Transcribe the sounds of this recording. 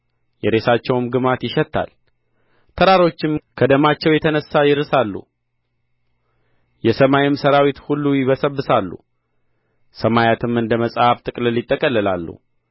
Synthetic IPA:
jɛɾe̞sat͡ʃːɛwmɡɨmat̪jɪʃɛt̪ʰːa̰l | t̪ʰəɾaɾo̞t͡ʃːɪmkʰəd̪əmat͡ʃːɛwjɛt̪ʰənəsːajɪɾɨsalːṵ | jɛsəmajɪmsəɾawit̪hulːujɪβəsəbːɨsalːṵ | səmajat̪ʰɨmɨnd̪əməsʼhaft̪ʼɨkʼlɨlːɪt̪ʼːəkʼəlːəlalːṵ

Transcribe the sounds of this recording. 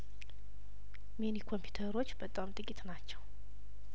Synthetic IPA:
menikʰo̞mpʰju̥t̪ʰəɾo̞t͡ʃːbət̪ʼamt̪ʼɨkʼit̪nat͡ʃːɛw

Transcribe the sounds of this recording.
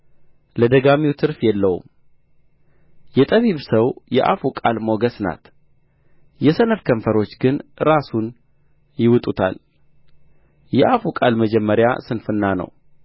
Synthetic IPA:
ləd̪əɡamiwt̪ʰɨɾfjɛlːəhṵm | jɛt̪ʼəβiβsəwjɛʔafukʼalmo̞ɡəsna̰t̪ | jɛsənəfkʰəɱfəɾo̞t͡ʃːɡɨnɾasun | jɪwɨt̪ʼut̪ʰa̰l | jɛʔafukʼalməd͡ʒɛmːəɾja̰sɨnfɨnːanə̰w

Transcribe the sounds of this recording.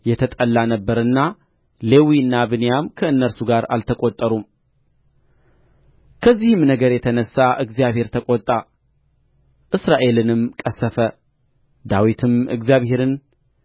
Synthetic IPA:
jɛt̪ʰət̪ʼəlːanəbːəɾɨnːa | le̞wiɨnːabɨnjamkʰəɨnːəɾsuɡaɾa̰lt̪ʰəkʼot̪ʼːəɾum | kʰəzːihɨmnəɡəɾjɛt̪ʰənəsːaʔɨɡzijaβhe̞ɾt̪ʰəkʼot̪ʼːa | ʔɨsɾaʔe̞lɨnɨmkʼəsːəfə | d̪awit̪ʰɨmɨ̰ɡzijaβhe̞ɾɨn

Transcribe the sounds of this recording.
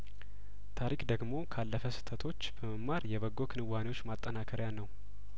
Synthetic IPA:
t̪ʰaɾikd̪əɡmo̞kʰalːəfəsɨ̥t̪ʰət̪ʰo̞t͡ʃːbəməmːaɾjɛβəɡːokʰɨnɨwːanewo̞t͡ʃːmat̪ʼːənakʰəɾjanːəw

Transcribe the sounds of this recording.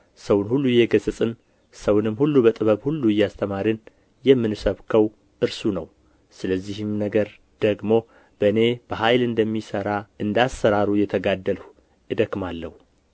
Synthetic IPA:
səwnhulːujɛɡəzʼɨsʼɨn | səwnɨmːhulːubət̪ʼɨβəβhulːujːast̪ʰəmaɾɨn | jɛmːɨnsəβkʰəw | ʔɨɾsunəw | sɨləzːihɪmnəɡəɾ | d̪̥əɡmo̞ | b̥əɨne̞b̥əɦajlɨnd̪əmːisəɾaɨnd̪asːəɾaɾujɛt̪ʰəɡad̪ːəlh | ʔɨd̪əkmalːəhu

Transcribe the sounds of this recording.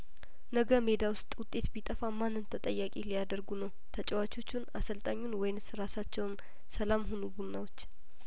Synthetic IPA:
nəɡəme̞d̪awʊst̪ʼwʊt̪ʼːe̞t̪bit̪ʼəfamanːɨnt̪ʰət̪ʼəjːakʼelijad̪əɾɡunəw | t̪ʰət͡ʃʼɛwat͡ʃo̞t͡ʃːunasəlt̪ʼaɲːunwɔjɪnsɨɾasat͡ʃːɛwn | səlamɦonubunːawo̞t͡ʃː

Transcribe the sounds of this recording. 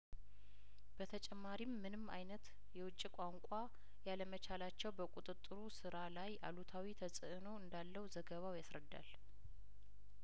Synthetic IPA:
b̥ət̪ʰət͡ʃʼɛmːaɾimːɨnɨma̰jnət̪ | jɛwʊt͡ʃʼːikʼaŋkʷʼa | jaləmət͡ʃalat͡ʃːɛwbəkʼut̪ʼɨt̪ʼːɨɾusɨɾalaja̰lut̪ʰawit̪ʰəsʼɨʔɨnoɨnd̪alːəwuzəɡəβawjasɾəd̪ːa̰l

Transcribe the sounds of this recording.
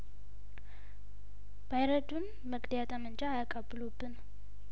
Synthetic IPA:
b̥ajɾəd̪un | məɡd̪jat̪ʼamɨnt͡ʃʼaːjakʼəbːɨlubːɨn

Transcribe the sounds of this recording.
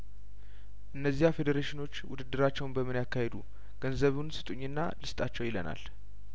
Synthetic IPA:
ʔɨnːəzːiafe̞d̪eɾeʃɪno̞t͡ʃːwʊd̪ɨd̪ːɨɾat͡ʃːɛwnbəmɨnjakːahed̪u | ɡ̥ənzəβunsɨt̪ʼuɲːɨnːa̰lɨst̪ʼat͡ʃːɛwjɪləna̰l

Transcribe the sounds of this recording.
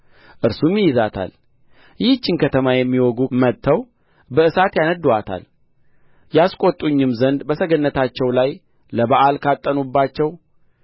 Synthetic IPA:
ʔɨɾsumjjɪzat̪ʰa̰l | jɪht͡ʃːɪnkʰət̪ʰəmajɛmːiwɔɡumət̪ʰːəw | bəʔɨsat̪janəd̪uat̪ʰa̰l | jaskʼot̪ʼuɲːɨmzənd̪bəsəɡənːət̪ʰat͡ʃːɛwlaj | ləbaʔalkʰat̪ʼːənubːat͡ʃːɛw

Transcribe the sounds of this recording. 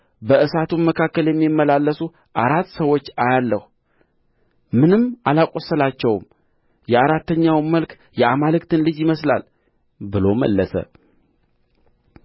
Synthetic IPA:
bəʔɨsat̪ʰuməkʰakːəljɛmːimːəlalːəsu | ʔaɾat̪ːsəwo̞t͡ʃːajalːəhu | mɨnɨmːalakʼosːəlat͡ʃːɛwm | jɛaɾat̪ːəɲːawməlk | jɛʔamalɨkt̪ʰɨnlɨd͡ʒjɪməsla̰l | bɨlo̞mə̰lːəsə̰

